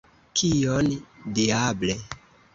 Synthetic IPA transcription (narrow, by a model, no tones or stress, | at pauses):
kʰijondiable